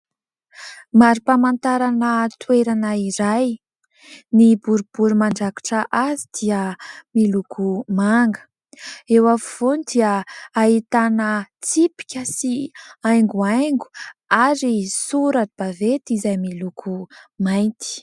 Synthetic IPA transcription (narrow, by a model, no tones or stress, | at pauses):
maɾipamant̪aɾanət̪weɾanəiɾaj | nibuɾub̥uɾumaɳɖ͡ʐaku̥ʈ͡ʂəʔazid̪̥iəmilukʰumaŋɡə̥ | ewafuv̥onid̪iəːɦit̪anət͡sipi̥kʲəsiajŋɡuajŋɡu̥aɾisuɾaʈ͡ʂib̥avet̪izajmilukʰumajnt̪i̥